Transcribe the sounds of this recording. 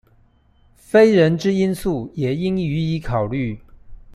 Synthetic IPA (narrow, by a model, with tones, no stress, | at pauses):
fe˥ɪɻə˧˥nʈ͡ʂɻ̩˥i˥nsu˥˩jɛ˨˩i˥ŋy˧˥i˧˥kʰɑ˨˩ʊly˥˩